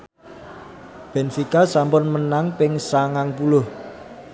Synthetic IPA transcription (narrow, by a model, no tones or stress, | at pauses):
b̥ɛ̤nfikasampʊnmənaŋpɪŋsaŋaŋpulʊh